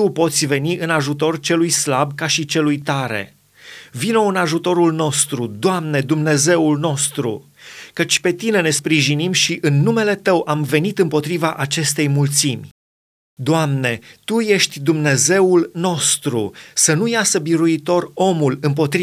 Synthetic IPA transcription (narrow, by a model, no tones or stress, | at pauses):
t̪upo̞t̪sʲve̞niʔɨnaʒut̪o̞rt͡ʃe̞lujslab̚kaʃit͡ʃe̞lujt̪aɾe̞̰ | vino̞ɨnaʒut̪o̞ɾulno̞st̪ɾud̪oamne̞d̪umne̞ze̞ulno̞st̪ɾṵ | kət͡ʃʲpe̞t̪ine̞ne̞spɾiʒinimʃiʔɨnːume̞le̞t̪əwʔamve̞nit̪ɨmpo̞t̪ɾivaʔat͡ʃe̞st̪e̞jmult̪simʲ | d̪oamne̞t̪uje̞ʃt̪ʲd̪umne̞ze̞ulno̞st̪ɾusənujasəbiɾuit̪o̞ro̞mulɨmpo̞t̪ɾi